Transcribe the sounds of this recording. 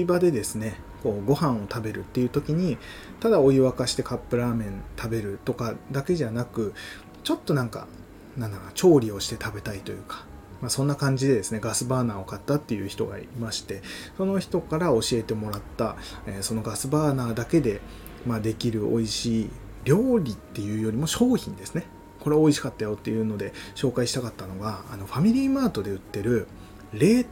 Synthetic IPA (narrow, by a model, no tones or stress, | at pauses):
ibad̪e̞d̪e̞sɨne̞ | ko̞ːɡo̞hãɰ̃o̞t̪abe̞ɾɯ̟̰t̪ːe̞jɯ̟ːt̪o̞kʲiɲ̟it̪ad̪ao̞iβakaɕi̥t̪e̞kapːɯ̟ɾaːmẽ̞nt̪ʰabe̞ɾɯ̟t̪o̞kad̪ake̞ʑanakɯ̟ | t͡ɕo̞t̪ːo̞nãŋka̰ | nãnd̪at͡ɕo̞ːɾʲio̞ɕi̥t̪e̞t̪abe̞t̪ait̪o̞jɯ̟ːkḁ | masõ̞nːakãɲ̟d͡ʑid̪e̞d̪e̞sɨne̞ɡasɨbaːnaːo̞kat̪ːat̪ːe̞jɯ̟çi̥t̪o̞̰ɡa̰iimaɕi̥t̪e̞so̞no̞çi̥t̪o̞kaɾao̞ɕie̞t̪e̞mo̞ɾat̪ːa | eso̞no̞ɡasɨbaːnaːd̪ake̞d̪e̞ | mad̪e̞kʲiɾɯ̟ʔo̞̰iɕiː | ɾʲo̞ːɾʲit̪ːe̞jɯ̟ːjo̞ɾʲimo̞ɕo̞ːçḭ̃nd̪e̞sɨ̥ne̞ | ko̞ɾe̞βao̞iɕi̥kat̪ːajo̞t̪ːe̞jɯ̟ːno̞d̪e̞ɕo̞ːkaiɕi̥t̪akat̪ːano̞ɡaːno̞ɸamʲiɾʲiːmaːt̪o̞d̪e̞ɯ̟t̪ːe̞ɾɯ̟ | ɾe̞ː